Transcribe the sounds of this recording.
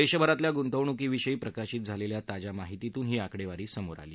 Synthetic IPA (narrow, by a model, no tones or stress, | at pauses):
eɕəbʱəɾat̪ljaɡunt̪əʋɳukiːʋiɕəiːpɾəkaɕiːt̪̚d͡zʱaleljat̪ad͡ʑamaɦit̪it̪uːnɦiːakɽeʋaɾiːsəmoɾa̰liː